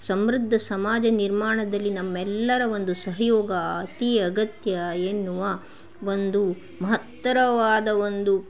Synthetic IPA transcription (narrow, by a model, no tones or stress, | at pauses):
sɐmɾud̪ʱːɐsɐmaːd͡ʒɐniɾmaːɳɐd̪ɐlːinɐmːɛlːɐɾɐʋo̞nd̪usɐɦɐjɔːɡɐaːt̪iːɐɡɐt̪jɐenːuʋɐ | ʋo̞nd̪u | mɐɦɐt̪ːɐɾɐʋaːd̪ɐʋo̞nd̪u